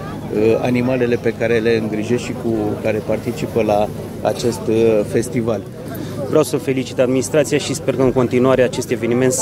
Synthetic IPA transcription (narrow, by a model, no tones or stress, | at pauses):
əa̰nimale̞le̞pe̞kaɾe̞le̞ɨŋɡɾiʒesʃikukaɾe̞part̪it͡ʃipəla̰ː | t͡ʃe̞st̪fe̞st̪ival | vɾeawsəfe̞lit͡ʃi̥t̪ad̪minist̪ɾat̪sijaʃispe̞rkəɨŋko̞nt̪inuaɾe̞at͡ʃe̞st̪e̞ve̞nime̞nt̪